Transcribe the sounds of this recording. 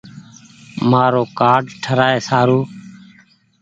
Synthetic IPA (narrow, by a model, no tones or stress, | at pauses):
maːɾoːkaːɖʈʰəɾaːeːsaːɾuː